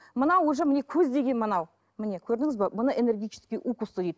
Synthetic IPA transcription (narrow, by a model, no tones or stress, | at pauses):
mənɑwoʒəmɪne̞kʲʰɵzd̪e̞ɡʲe̞nmənɑw | mɪne̞kʲʰɵɾd̪ɪŋɪzbɑbʊnəʔene̞ɾɡʲijt͡ʃʰɪ̥skʲijʔukust̪əd̪ejd̪ɪ